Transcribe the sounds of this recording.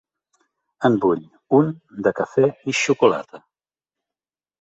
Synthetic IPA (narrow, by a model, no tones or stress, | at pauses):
əmbuʎ | und̪əkəfeiʃukula̰t̪ə